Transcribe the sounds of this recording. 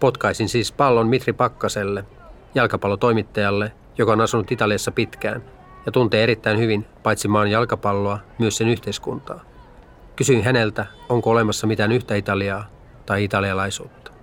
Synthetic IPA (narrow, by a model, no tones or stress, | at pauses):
po̞t̪kɑisinsiːspɑlːo̞nmit̪ripɑkːɑse̞lːe | jɑlkɑpɑlːot̪o̞jmit̪ːɑjɑlːe | jo̞kɑo̞nɑsunut̪it̪ɑliɑsːɑpit̪k̟æ̰ːn | jɑt̪unt̪eːe̞ɾit̪ːæinhyʋinpɑjt̪simɑːnjɑlkɑpɑlːoɑmyøsse̞nyht̪eiskunt̪ɑː | kysyinɦæne̞lt̪æo̞ŋkoole̞mɑsːɑmit̪ænyht̪æit̪ɑliɑː | t̪ɑjit̪ɑliɑlɑjsuːt̪ːɑ̥